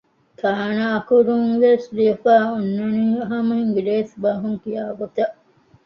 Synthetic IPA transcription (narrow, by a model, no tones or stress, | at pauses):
kʰaːnaːkuɾuŋʋeːsliɐfaːunːɐniːɐɦɐmɐɦiŋɡiɾeːsbaːɦuŋkijaːɡot̪ɐʔ